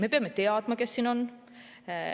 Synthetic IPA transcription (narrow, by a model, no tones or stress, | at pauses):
me̞peɑmːet̪eɑd̪̥mɑkesːiːno̞n